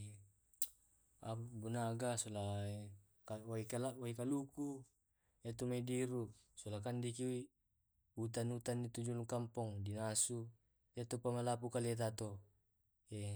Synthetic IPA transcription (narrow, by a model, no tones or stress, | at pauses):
abunaɡasola | kawaikalawaikaluku | et̪omediɾu | solakandikiui | ut̪anut̪anːit̪ud͡ʒuluŋkampɔŋdinasu | iat̪opamalapukalet̪̬at̪o | e